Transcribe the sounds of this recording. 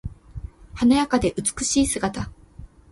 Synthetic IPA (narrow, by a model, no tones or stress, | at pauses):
hanajakad̪e̞ʔɯ̟t͡sɨ̥kɯ̟ɕiːsɨɡat̪a